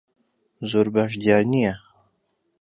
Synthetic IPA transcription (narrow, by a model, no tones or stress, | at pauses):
zoɾbaʃ̬d̪ijaɾnija